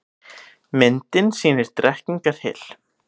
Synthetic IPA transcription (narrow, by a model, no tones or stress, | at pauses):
mɪnt̪ɪnsiːnɪɾ̥t̪ɾɛhkniŋkaɾ̥hɪ̰ːl̥